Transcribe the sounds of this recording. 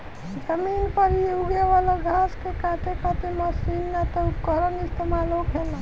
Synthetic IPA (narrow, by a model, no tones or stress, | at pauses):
d͡ʒəminpəɾiuɡeʋalaɡʱaskekãʈekət̪eməsinːet̪ɔupkəɾənist̪emalõkʰela